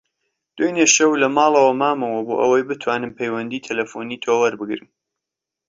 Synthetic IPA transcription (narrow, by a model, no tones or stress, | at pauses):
d̪̥ojneʃɐwlɐmɑːlˠɐwɐmaːmɐwɐboːʔɐ̰wɐjbɨt̪ʰwaːnɨmpʰejwɐnd̪iːt̪ʰɐlɐfuniːt̪ʰoːwɐɾbɨɡɾɨ̰m